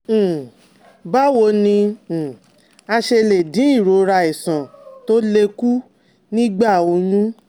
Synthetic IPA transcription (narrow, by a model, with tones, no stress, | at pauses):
ba˦wo˧nĩ˧˨ | a˧ʃe˧le˨dĩ˨˦i˦˨ɾo˨˦ɾa˧i˨sã˨to˦le˧ku˦ | nĩ˦ɡ͡ba˦˨o˧jũ˦